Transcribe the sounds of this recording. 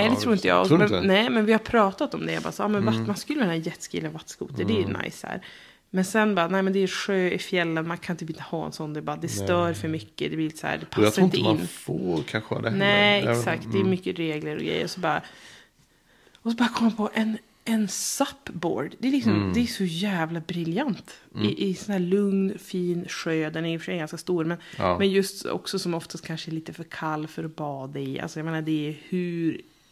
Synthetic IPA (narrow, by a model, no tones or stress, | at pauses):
ɛd̪ɛt̪ʰɾuːɾɪnt̪əjɑ̰mnɛːmɛnvɪhaɾpʰɾɑːt̪at̪ɔmd̪ɛjabɑ̰ːsæːɑːmɛnvamanskɵlːəɪnːajɛt̪ːskḭːlənvat̪ːskṵːt̪əd̪ɛnʔa̰jshæ̰ːɾ | mɛnsɛnbɑːɾanɛɪmɛnd̪ɛæɾʂøːɪfjɛlːənmankʰanɪnt̪ʰypːɪnt̪ʰəhɑːɛ̰nsɔnːd̪ɛbɑːɾad̪ɛst̪œːɾfœɾmʏkːəd̪ɛblɪɾlɪt̪ə̥sæ̰ːɖɛpʰasːaɾɪnt̪ənːfoːkʰanɧəa̰d̪nɛɛksakt̪̚d̪ɛɛmʏkːəɾeːɡləɾɔ̰ɡɾɛ̰j̰ːɾɔsɔbɑːɾa | ɔsɔbɑːɾakʰɔməmanpʰɔʔɛn | ɛnsapːbo̰ːɖd̪ɛːlɪksɔmd̪ɛæʂɔjæːvlabɾɪljant̪ɪʔɪsɔnhæːɭɵŋnfiːnɧøːd̪ɛnæɾjʏfœʂɛjɡanskast̪uːɾmɛnmɛnjɵst̪ɔ̰ksɔsɔmɔft̪ast̪kʰanʂəɛɭiːt̪əfœɾkʰalːfœɾɔbɑːd̪aɪʔa̰lsɔjaɡmeːnaɖɛæɾhʉɾ